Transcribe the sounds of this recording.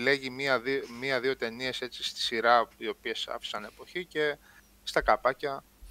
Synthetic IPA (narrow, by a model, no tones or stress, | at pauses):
le̞ʝimiɐðimiɐðio̞t̪e̞nie̞se̞t͡sist̪i̥siɾɐio̞pie̞sɐ̰fi̥sɐne̞po̞çice̞ | st̪ɐkɐpɐcɐ